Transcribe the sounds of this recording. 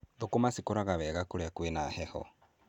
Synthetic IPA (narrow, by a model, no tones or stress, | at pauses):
ðokomasikoɾaɣaβɛɣakoɾeakwenahɛhɔ̰